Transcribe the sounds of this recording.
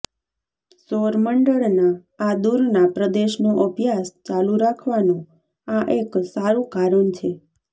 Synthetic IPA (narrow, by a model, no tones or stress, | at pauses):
soɾməɳɖəɭnaː | d̪uɾnapɾəd̪eʃnoʔəbʱjast͡ʃaluɾakʰʋanũ | aʔeksaɾũkaɾənt͡ʃʰe